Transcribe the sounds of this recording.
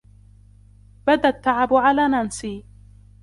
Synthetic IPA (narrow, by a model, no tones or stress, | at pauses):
bad̪at̪ːaʕabʕalaːnansiː